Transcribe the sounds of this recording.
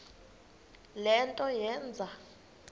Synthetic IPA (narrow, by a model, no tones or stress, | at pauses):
lɛntʼɔjɛːnd͡zʱa